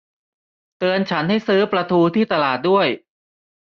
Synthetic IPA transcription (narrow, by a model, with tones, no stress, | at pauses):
t̪ɯː˧ənt͡ɕʰa˦˥nha˥˩jsɯː˦˥pɾa˧t̪ʰuː˧t̪ʰiː˥˩t̪a˧laː˨˩t̪̚du˥˩əj